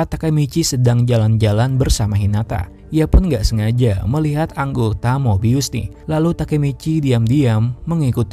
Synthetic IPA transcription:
at̪akamit͡ʃisədaŋd͡ʒaland͡ʒalanbərsamaɦinat̪a̰ | iapʊnŋɡaʔsəŋad͡ʒaməliɦat̪aŋɡot̪amobiusnɪ̰h | lalut̪akamit͡ʃidiamdiamːəŋikut̪

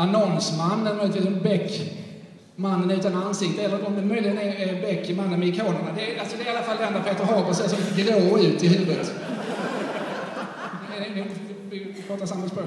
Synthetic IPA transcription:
anɔnsmanːæɾmœjlət̪viːsbɛkː | manːənʉ̟ːt̪anansɪkt̪əɛlːəɾɔmd̪ɛmœjlɪɡənæɛbɛkːmanːənmɛɪkʰoːnəɳad̪ɛalsɔd̪ɛɪalːafald̪ɛnd̪ɾapʰeːt̪ːəɾɦɑːɡəsɛsɔmd̪ɾoːʉ̟ːt̪ʰːɪlhʉ̟ːvəd̪ət̪ | d̪ɛnt̪ə | pʰɔːt̪ːasamːaspɾoː

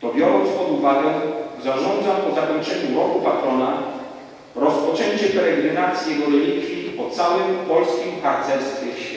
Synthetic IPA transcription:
t̪ɔbʲjɔɾɔnt̪spɔd̪uvaɡɛzaʐɔnd̪zapɔzakɔɲt͡ʂɛɲuɾɔkupat̪ɾɔna | ɾɔspɔt͡ʂɛɲt͡ɕɛpɛɾɛɡɾɘnat̪sʲjɛɡɔɾɛlʲikːʲipɔt̪sawɘmpɔlskʲimpaɾt̪sɛɾst̪fʲɛɕɛ

